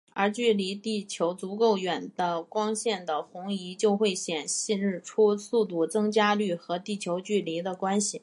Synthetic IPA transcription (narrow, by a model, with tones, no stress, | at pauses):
ə˞˧˥t͡ɕy˥˩li˧˥t̪i˥˩t͡ɕʰjo˧˥ʊt͡su˧˥ko˥˩ʊɥɛ˨˩nd̪̥ə˦kwɑ˥ŋɕjɛ˥˩nd̪ə˩xʊ˧˥ŋi˧˥t͡ɕjo˥˧ʊxwe˥˩ɪɕjɛ˨˩nɕi˥˧nɻɻ̩˥˩ʈ͡ʂʰu˥su˥˧t̪u˥˩t͡sɤ˥ŋt͡ɕja˥ly˥˩xɤ˧˥t̪i˥˩t͡ɕʰjo˧˥ʊt͡ɕy˥˩li˧˥d̪ə˧kwa˥nɕi˨˩